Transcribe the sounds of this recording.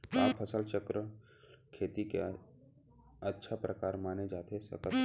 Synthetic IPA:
aːpʰəsəlt͡ʃəkɾə | kʰeːt̪ikḛ | ətːʃʰapɾəkaːɾmaːned͡ʒaːt̪ʰesə̰kət̪

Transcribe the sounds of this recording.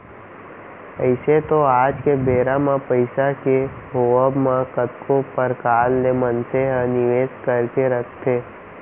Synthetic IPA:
əɪset̪oaːd͡ʒkebeːɾamãpəɪsake | ɦoəbmãkət̪kʰopəɾkaːlːemənseɦãnɪʋeːskəɾkeɾək̚ʰt̪ʰeː

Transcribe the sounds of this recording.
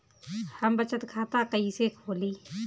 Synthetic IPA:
həmbət͡ʃət̪kʰaːt̪akəiːsekʰoːliː

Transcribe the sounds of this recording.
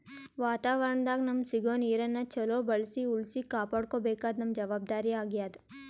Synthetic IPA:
ʋaːt̪aːʋəɾəɳd̪aːɡnɐmsɪɡoːniːɾɐnːɐt͡ʃʰɐlobɐlsiʊlsikaːpəɽkobeːkaːt̪nɐmd͡ʒɐʋaːb̚d̪aːɾiaːɡjaːd̪

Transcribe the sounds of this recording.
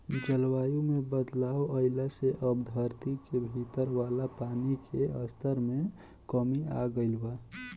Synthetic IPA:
d͡ʒəlwaːjũmebəd̪laːoəɪlaseʔəbd̪ʱəɾt̪ikebʱit̪əɾwaːlapaːnikʰeəst̪ʰəɾme | kəmia̰ɡəɪlba

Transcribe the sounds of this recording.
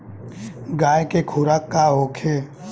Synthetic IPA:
ɡaːjkekʰuːɾakːaɦokʰeː

